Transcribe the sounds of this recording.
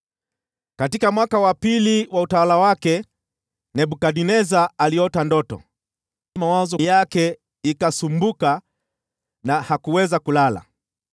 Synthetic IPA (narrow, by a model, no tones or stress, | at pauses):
katikamwakawapiliwautawalawakɛ | nɛɓukaɗinɛzaaliɔtandɔtɔ̰ | mawazɔjakɛ | ikasumbuka | nahakuwɛzakulala̰